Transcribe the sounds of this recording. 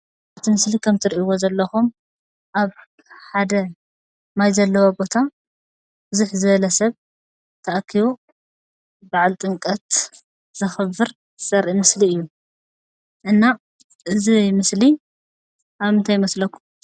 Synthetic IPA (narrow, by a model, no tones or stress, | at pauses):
at̪ʰimɨslikʰɐmt̪ʰɨɾiʔiwozɐlːɐxum | ʔaβ | ħad̪ɐ | majzɐlːɐwɐbo̞t̪ʰa | b̥ɨzuħzɨβɐlɐsɐβ | t̪ʰɐʔakʰːiβo | baʕalt̪ʼɨŋkʼɐt̪ | z̥ɐxɨβɨɾ | sɐɾʔimɨsliɨjːu | ʔɨnːa | ʔɨzimɨsli | ʔaβɨnt̪ʰajːmɐslɐkʰːum